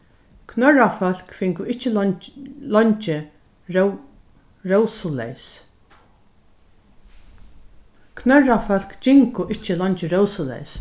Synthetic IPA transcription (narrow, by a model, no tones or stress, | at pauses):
kʰnœrafœl̥kfɪŋkʊɪt͡ʃɪ | lɔɲt͡ʃɪ | ɹowsʊlɛ̰js | kʰnœrafœl̥kt͡ʃɪŋkʊʔɪht͡ʃːɪlɔɲt͡ʃɪɾɔwsʊlɛ̰js